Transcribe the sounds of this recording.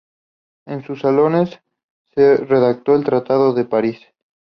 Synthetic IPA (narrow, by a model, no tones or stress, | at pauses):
ensusalo̞nesː | ereðak̚t̪o̞elt̪ɾat̪aðoðe̞paɾis